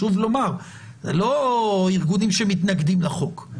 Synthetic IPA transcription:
uvlo̞maʁ | zelo̞iʁɡunimʃemit̪naɡd̪imlaχo̞k

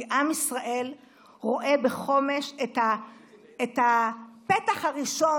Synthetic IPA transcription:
ʔamisʁaʔe̞l | ʁo̞ʔe̞beχo̞me̞ʃet̪a | etapet̪aχhaʁiʃo̞

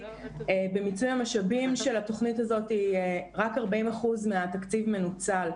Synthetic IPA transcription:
ebe̞mit͡sujamaʃabimʃe̞lato̞χnitazo̞tieʁakaʁbaimaχuzmeatakt͡sivme̞nut͡sal

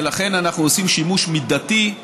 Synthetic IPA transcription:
laχe̞nanaχnuosimʃimuʃmid̪ati

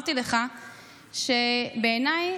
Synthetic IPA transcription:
t̪ileχa | ʃebeːnaj

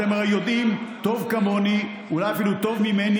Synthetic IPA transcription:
ameʁajod̪imt̪o̞vkamo̞ni | ulajafilut̪o̞vmimeni

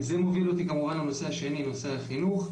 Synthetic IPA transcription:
zemo̞vilo̞t̪ikamuvanlano̞se̞aʃe̞nino̞seaχinuχ

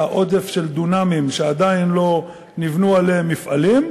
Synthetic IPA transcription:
aʔo̞de̞fʃe̞ld̪unamimʃead̪ainlo̞ | nivnualeemːifʔalim

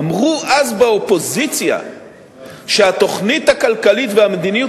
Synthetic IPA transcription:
mʁuʔazbeo̞po̞zit͡sja̰ | ʃeat̪o̞χnit̪hakalkalitveamed̪iniju

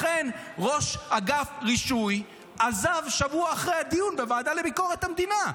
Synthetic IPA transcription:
χe̞nʁo̞ʃhaɡafʁiʃuj | ʔazavʃavuaːχʁejhad̪ijunbevaːd̪ale̞biko̞ʁet̪hamd̪ina

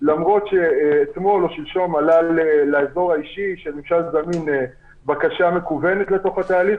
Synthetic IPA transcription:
lamʁo̞tʃet̪mo̞lo̞ʃilʃo̞malalelaezo̞ʁaiʃiʃenimʃalzamine | bakaʃame̞kuve̞ne̞t̪le̞t̪o̞χat̪aːliχ

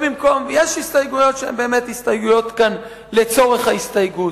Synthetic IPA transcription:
bimko̞mjeʃist̪ajɡujo̞t̪ʃeḛmbe̞ːmet̪hist̪ajɡujo̞t̪kan | let͡so̞ʁeχhaist̪ajɡut

